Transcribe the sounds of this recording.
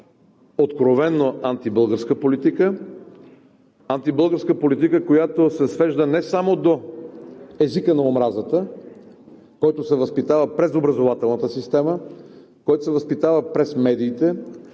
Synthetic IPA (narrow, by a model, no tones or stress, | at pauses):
ot̪kɾovɛnːoant̪ibɤlˠɡəɾskəpolit̪ikə | ant̪ibɤlˠɡəɾskəpolit̪̬ikəkojat̪osɛsvɛʒd̪ənɛsamod̪o | ɛzikənɐomɾazət̪ə | kɔjt̪osɛvəspit̪avəpɾɛzobɾɐzovat̪ɛlˠnət̪əsist̪ɛmə | kɔjt̪osɛvəspit̪avəpɾɛsmɛd̪iːt̪ɛ